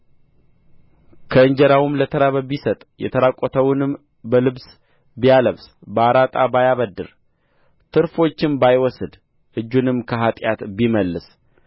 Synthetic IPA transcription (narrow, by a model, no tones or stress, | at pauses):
kʰəɨɲd͡ʒɛɾawʊmlət̪ʰəɾaβəbisət̪ʼjɛ̰t̪ʰəɾakʼːɔt̪ʰəwʊnɨm | bəlɨβs | bijaləβsbəaɾat̪ʼabajaβəd̪ːɨɾ | t̪ʰɨɾfo̞t͡ʃːɪmbajwɔsɨd̪ | ʔɨd͡ʒːunɨmkʰəɦat̪ʼjat̪biməlːɨs